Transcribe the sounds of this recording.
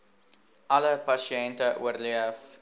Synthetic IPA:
ʔɐləpɐsiɛntəʔṵərliəf

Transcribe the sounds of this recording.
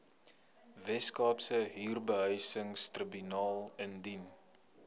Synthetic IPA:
vɛskɑːpsəɦiːrbəɦœjsəŋstrəbynɑːlˠəndin

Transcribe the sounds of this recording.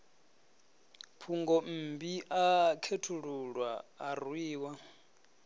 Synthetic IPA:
pʰuŋɡɔm̩ːbiʔakʰetʰuɺuɺwaːrwiːwa

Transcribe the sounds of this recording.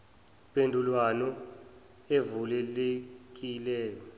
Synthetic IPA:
pʼendʱulwanɔ | evulɛlek̬ʼilɛːjɔ

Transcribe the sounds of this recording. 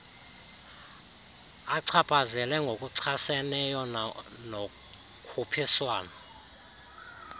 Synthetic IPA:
aǀʰapʰazɛlɛŋɡʱok̬ʼuǀʰasɛnɛjɔno | kʰupʰiswaːnɔ

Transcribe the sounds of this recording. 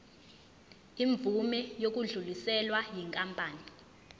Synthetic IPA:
iɱb̪vumɛjok̬uɮulisɛlwajiŋkʼampʼaːni

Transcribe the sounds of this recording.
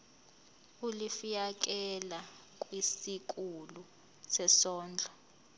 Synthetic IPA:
ulifijak̬ʼɛla | k̬ʼwisik̬ʼulu | sɛsɔːnd͡ɮʱɔ

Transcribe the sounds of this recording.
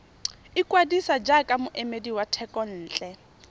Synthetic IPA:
ikʼwadisad͡ʒakʼamʊʔɛmediwatʰɛkʼɔn̩ːt͡ɬʼɛ

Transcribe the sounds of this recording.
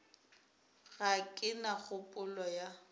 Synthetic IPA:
ɣakʼɪnaɣʊpʼʊlɔja

